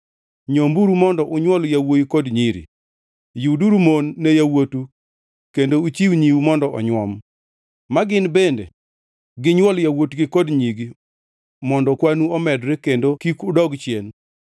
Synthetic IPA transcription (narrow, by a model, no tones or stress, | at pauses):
ɲombuɾumɔndɔʔʊɲwɔljawojikodɲiɾḭ | juduɾumonːejawotu | kendout͡ʃiwɲiwumɔndɔʔɔ̰ɲwɔm | maɡɪnbendḛ | ɡɪɲwɔljawotɡɪkɔdɲiɡi | mɔndɔkwanuɔmɛdɾekendokikʊdɔɡt͡ʃjen